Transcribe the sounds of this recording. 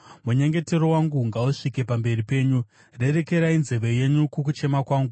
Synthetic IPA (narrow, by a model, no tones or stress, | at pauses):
muɲe̞ŋɡe̞te̞ɾo̞waŋɡuŋɡauʂike̞pambe̞ripe̞ːɲu | re̞re̞ke̞ɾainzeʋe̞je̞ɲukuk̬ut͡ʃe̞makwaːŋɡu